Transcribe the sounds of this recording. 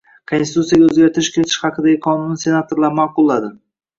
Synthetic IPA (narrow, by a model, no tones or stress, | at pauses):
kʰonsɪt̪ut̪sijaɡʲaɵzɡʲaɾt̪ɪɾɪʃkʲʰe̞t̪ʰɪ̥ʃhɑqʰɨd̪aɡʲɪqʰɒnʊnɪse̞nat̪ʰoɾlaɾmaqʊlˠːad̪ɪ